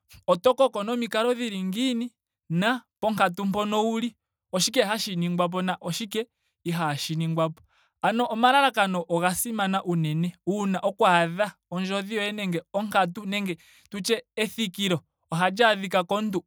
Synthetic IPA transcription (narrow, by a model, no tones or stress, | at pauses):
ɔtɔkɔkɔnɔmikaɾɔðiɾiŋɡini | napɔŋkatum̩pɔnɔuli | ɔʃik̬ɛhaʃiniŋɡwap̬ɔnaʔɔʃikɛ | iɦaʃiniŋɡwapɔ̥ | anɔʔːmaɾaɾakanɔʔɔɣasimanaʔunɛnɛunaʔɔkwaðaɔɲd͡ʒɔðiɔɛnɛŋɡɛɔŋkat̬unɛŋɡɛ | tut͡ʃɛːθikiɾɔː | ɦad͡ʒaðikakɔntu